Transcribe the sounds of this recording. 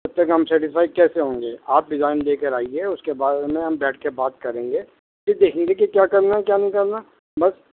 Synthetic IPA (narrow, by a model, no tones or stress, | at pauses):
ɐb̚t̪ɐkɦɐmsɛːʈɪfaːɪd̚kɛːseɦõːŋɡeːaːp̚ɖɪzaːɪnleːkəɾaːiɦɛʊskebaːɾemẽɦɐmbɛːʈʰkebaːt̪̚kɐɾẽːŋɡeː | sid̪eːkʰẽːŋɡekikjaːkɐɾnaɦɛkjaːnɐɦĩkɐɾna | bɐs